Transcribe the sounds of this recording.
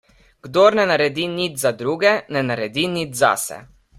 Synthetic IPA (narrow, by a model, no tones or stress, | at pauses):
ɡ̥d̪oːɾnɛnaɾɛd̪inid͡ʒzad̪ɾuːɡɛnɛnaɾɛd̪inid͡ʒza̰sɛ̰